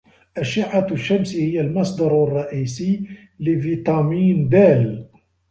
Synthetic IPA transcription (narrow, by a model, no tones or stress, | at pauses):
ʔaʃɪʕaʃːamsihɪjalmɑsˤd̪ɑɾˤrˤːɑʔiːsiː | lɪvit̪ˤɑmiːnd̪aːl